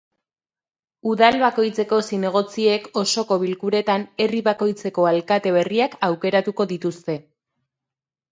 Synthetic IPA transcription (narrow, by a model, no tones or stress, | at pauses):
uðalβako̞jt͡se̞ko̞sine̞ɣ̞o̞t͡sie̞ko̞so̞ko̞βilkuɾe̞t̪ane̞riβako̞jt͡se̞ko̞alkat̪e̞βe̞riakawke̞ɾat̪uko̞ðit̪ust̪e̞